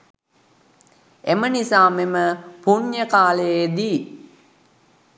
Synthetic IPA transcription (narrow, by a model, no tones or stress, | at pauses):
emənisaːmeməpuɲjəkaːləjed̪iː